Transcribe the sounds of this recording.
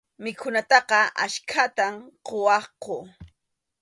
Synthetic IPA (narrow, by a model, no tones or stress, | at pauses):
mɪkʰʊnat̪ɑqɑʔa̰ʃkʰat̪amqowɑqo